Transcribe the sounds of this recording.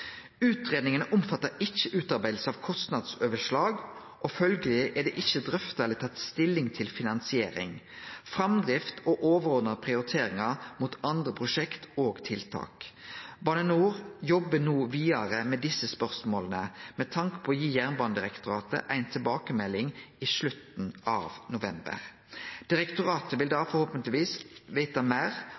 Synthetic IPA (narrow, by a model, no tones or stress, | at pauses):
ʉːt̪ɾeːd̪nɪŋənəʔʊmfɑt̪ːəɾɪçːəʔʉːt̪ɑɾbæɪd̪̩səɑʋkʰɔst̪nɑd̪soːʋəʂlɑːɡ | ʔɔfœlɡəlɪʔɛd̪ɛːʔɪçːəd̪ʁœft̪æɛlɪt̪ʰɑt̪st̪ɪlːɪŋt̪ʰɪlfɪnɑnsɪeːɾɪ̰ŋ | fʁɑmd̪ʁɪft̪ʰoʔoːʋəʁɔːd̪nəpʰʁɪʊɾɪt̪ʰeːɾɪŋɑmuːt̪ɑnd̪ʁəpʰʁʊʂɛkt̪oːɡt̪ʰɪlt̪ʰɑ̰ːkbɑnənuːʁjɔbːənuːʋiːɑʁəmɛd̪ɪsəspœʁsmoːlənəmɛt̪ʰɑŋkə̥pʰɔːjiːjæʁnbɑːnəd̪ɪʁɛkt̪ʊɾɑːt̪ə̰ʔæɪnt̪ʰɪlbɑːkəmɛlːɪŋiːʂlʉt̪n̩ɑ̰ːʋnʊʋɛmbə̰ʁ | d̪̥ɪɾɛkt̪ʊʁɑːt̪əʋɪld̪ɑːfɔʁhoːpənt̪lɪʋiːsʋæɪt̪ɑmæɪʁ